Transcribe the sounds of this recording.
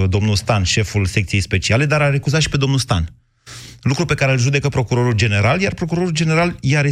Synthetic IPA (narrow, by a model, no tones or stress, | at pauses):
d̪o̞mnulst̪anʃe̞fulse̞k̚t̪sije̞jspe̞t͡ʃiale̞d̪aɾaɾe̞kuzat̪ʃi̥pe̞d̪o̞mnulst̪a̰n | lukɾupe̞kaɾelʒud̪e̞kəpɾo̞kuɾo̞ɾuld͡ʒe̞ne̞ɾaljarpɾo̞kuɾo̞ɾuld͡ʒe̞ne̞ɾaljaɾe